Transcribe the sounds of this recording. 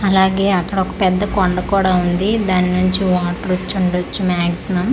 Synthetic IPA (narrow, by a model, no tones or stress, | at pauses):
ɐlaːɡe̞ːɐkːɐɽɔkɐ̥pɛd̪ːɐkɔɳɖɐkuːɽaːund̪id̪aːninuɲt͡ʃiʋaːʈɐɾut͡ʃːuɳɖot͡ʃːumaːksimɐm